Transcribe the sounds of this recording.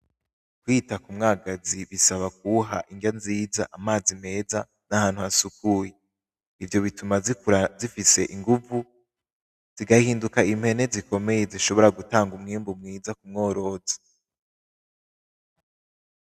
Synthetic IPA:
kwiːtakumŋaːɡaziβisaβak̚uɦa̰ʔiŋɡanziːza̰ʔamaːzime̞ːza | nahaːn̥huasukuːje | ivjo̞βitumazifise̞ʔiŋɡuvu | z̥iɡahiːndukaim̥he̞ne̞ziko̞me̞je̞ziʃo̞βo̞ɾaɡutaːŋɡumŋiːmbumŋiːzakumŋo̞ːɾo̞ːzḁ

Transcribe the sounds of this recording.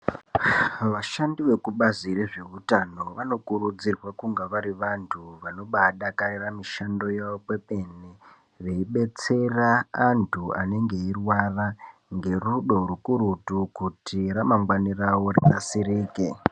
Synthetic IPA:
ʋaʃandiʋe̞kuɓazireʐe̞utano̞ʋano̞kuɾud͡zirwakuŋɡaʋaɾiʋantʰuʋano̞ɓaɗakariramiʃando̞jaʋope̞pe̞ne | ʋe̞iɓe̞t͡se̞raːntʰua̰ne̞ŋɡe̞irwaraŋɡe̞ruɗo̞rukuɾutukutiɾamaŋɡwanirawo̞rikasiɾiːke

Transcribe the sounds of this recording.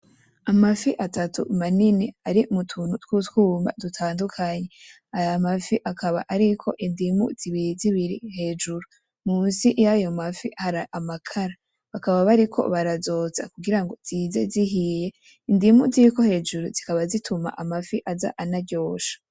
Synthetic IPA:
amafiʔatatṵmaniniaɾiumutʰuːnutwutkuːmba̰dutʰaːndukʰaɲe | ajamafiʔakʰaβa̰ʔaɾikʰo̞̰ʔindimṵz̥iβiɾiziβiɾḭhe̞ːd͡ʒuɾu | muːnsijajo̞mafihaɾaʔamakʰaɾa | βakaβaβaɾikʰo̞̰βaɾazo̞ːza̰kuɡiɾaŋɡo̞z̥iːze̞ziɦije̞ | indimuziɾiko̞he̞ːd͡ʒuɾuz̥ikaβazitʰuma̰ʔamafiʔaza̰ʔanaɟo̞ːʃḁ

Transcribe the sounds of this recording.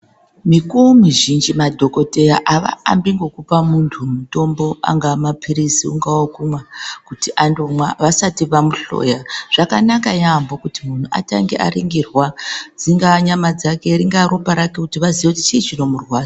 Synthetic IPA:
mikuomiʒind͡ʒimadʱo̞ko̞te̞jaʔaʋa̰a̰mbiŋɡo̞kupamuntʰumuto̞mbo̞a̰ŋɡamapʰiɾisiṵŋɡawokumwakutiʔandomwaʋasatiʋamuɬo̞̰jaʐ̥akanakajambokutimun̤uʔa̰ta̰ŋɡḛʔa̰riŋɡirwad͡ziŋɡaɲamad͡zake̞iɾiŋɡaɾupaɾakekutiʋaziʋeuti̥t͡ʃiːt͡ʃino̞murwaːsḁ

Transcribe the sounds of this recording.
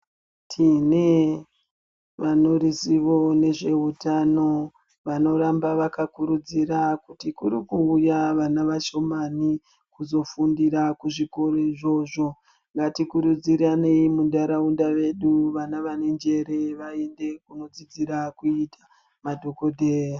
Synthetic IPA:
tʰine̞ | ʋano̞ɾisiʋo̞ne̞ʐe̞ɦutano̞ | ʋano̞ɾambaʋakakuɾud͡ziɾakutikuɾikuujaʋanaʋaʃo̞mani | kuzo̞fundiɾakuʐiko̞ɾoiʐo̞ʐo̞ | ŋɡatikuɾud͡ziɾaneimundaɾaundaʋe̞ɗuʋanaʋane̞nd͡ʒe̞ɾeʋae̞nde̞kuno̞d͡zid͡ziɾakuitʰḁ | madʱo̞ko̞dʱeːra

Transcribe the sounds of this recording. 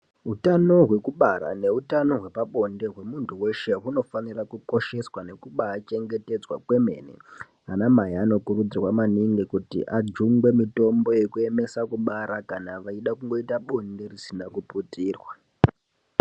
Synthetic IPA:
ɦutano̞ɦwe̞kuɓaɾa̰ne̞utano̞ɦwe̞paɓo̞nde̞ɦwe̞muntʰuwe̞ʃe̞ɦuno̞fanirakuko̞ʃe̞swane̞kuɓaːt͡ʃe̞ŋɡe̞te̞d͡zwa̰kwe̞me̞̰nḛ | anamaɦiano̞kuɾud͡zirwamaniŋɡikutḭʔad͡ʒuŋɡwe̞mito̞mbo̞je̞kue̞me̞sakuɓaɾakanaʋaiɗakuŋɡo̞itaɓo̞nde̞risinakuputiːrwa

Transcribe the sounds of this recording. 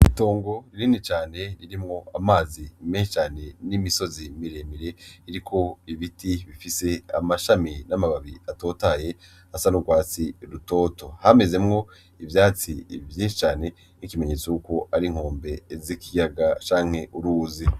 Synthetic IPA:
ito̞ːŋɡo̞ɾiɾiːnit͡ʃaːne̞ɾiɾimŋo̞amaːzimeːʃi̥t͡ʃaːne̞nimiso̞zimiɾe̞miɾe̞iɾikʰo̞iβitiβifise̞a̰maʃaminamaβaβiato̞ːtaje̞ | asanuɡwaːt͡siɾuto̞ːto̞hame̞ze̞mŋo̞ | ivjaːt͡sḭvjiːnʃi̥t͡ʃaːne̞ | nikime̞ɲe̞ːt͡sojuko̞ʔaɾiŋ̥o̞ːmbe̞zikijaɡat͡ʃaːŋ̥he̞ʔuɾuːzi

